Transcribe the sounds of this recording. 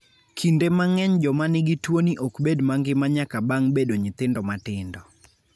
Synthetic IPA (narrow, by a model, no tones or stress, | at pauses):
kʰindemaŋɛɲd͡ʒɔmanɪɡɪtwoniʔokbedmaŋɡɪmaɲakabaŋbedoɲɪt̪ɪndɔmatɪndɔ